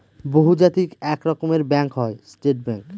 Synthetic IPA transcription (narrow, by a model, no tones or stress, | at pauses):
boɦud͡ʑat̪ikɛkɾɔkomeɾbɛŋkɦɔesʈeʈ̚bɛŋk